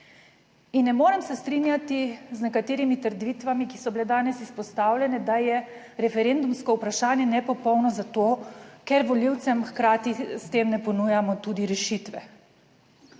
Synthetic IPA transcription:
inːɛmoːɾɛmsɛst̪ɾinjat̪iznɛkat̪eːɾimit̪əɾd̪ʋit̪ʋamiki̥sɔbiled̪aːnɛsispɔst̪aːwlʲɛnɛd̪ajɛ | ɾɛfɛɾeːnd̪umskɔupɾaʃaːnjɛnɛpɔpɔwnɔzat̪oːkɛɾʋɔliwt̪sɛmxkɾaːt̪ist̪eːmnɛpɔnujamɔt̪ud̪iɾɛʃit̪ʋɛ

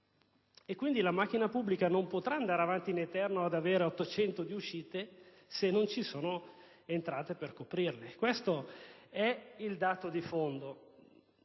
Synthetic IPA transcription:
ekːwind̪ilamak̟ːinapubːlikanompot̪ɾaːnd̪aːɾeavant̪inet̪ɛrnoad̪aveːɾeɔt̪ːot͡ʃɛnt̪od̪iuʃiːt̪e | senːont͡ʃisoːno | ent̪ɾaːt̪eperkopɾirlekwest̪oɛild̪aːt̪od̪ifond̪o

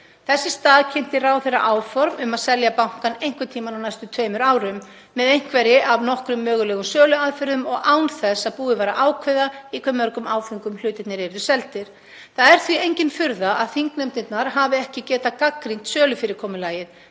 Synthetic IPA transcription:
θɛsːɪst̪aːðcʰɛn̥t̪ɪraːwθejrːa̰ʔaːwfɔɾmʏmaðsɛljapawŋ̥kanejŋ̥kvʏt̪ʰiːmanawnajst̪ʏt̪ʰœːɥmʏɾaːwɾʏmː | ɛðejŋ̥kvɛɾɪʔavnɔhkɾʏmːœːɣʏlɛːɣʏsœːlʏaðfɪɾðʏmɔɣaːwnθɛsaðpuːðɪvaːɾa̰ʔaːwkʰvœðaikʰvɛmːœɾkʏmaːwfʏŋkʏml̥ʏːɥt̪ɪt̪nɛɾɛɾðʏsɛlt̪ɪɾ̥ | θaðɛɾ̥θviejɲcɪnfʏɾðaʔaðθiŋknɛmt̪ɪt̪naɾ̥ɦaːvɪɛhcɪcɛːt̪akakɾiŋ̥t̪sœːlʏfɪɾɪɾ̥kʰɔːmʏlaːjɪð

